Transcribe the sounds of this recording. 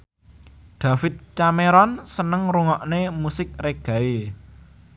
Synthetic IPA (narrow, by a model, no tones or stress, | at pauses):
d̪̥ä̤fɪt̪̚t͡ʃameɾɔnsənəŋruŋɔʔnemusɪk̚reɡ̥a̤i